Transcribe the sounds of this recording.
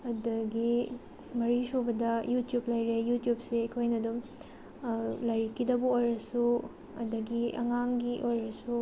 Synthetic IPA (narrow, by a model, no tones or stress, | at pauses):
ɐdɐɡi | mɐɾisobɐdɐjutjup̚lɐjɾejutjup̚seɐkʰojnɐdum | lɐjɾikʰːidɐbuojɾɐsu | ɐdɐɡiɐ̰ŋaŋɡiʔojɾɐsu